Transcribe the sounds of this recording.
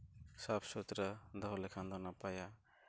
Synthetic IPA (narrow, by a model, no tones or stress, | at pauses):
sapʰsut̪ɾəd̪ɔɦɔlɛkʰand̪ɔnapaja